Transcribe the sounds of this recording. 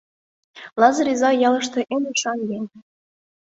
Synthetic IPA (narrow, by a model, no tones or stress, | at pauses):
lˠɑzɤ̆ɾizɑjɑlɤ̆ʃt̪ɤ̆ʔeneʃɑnjenʲ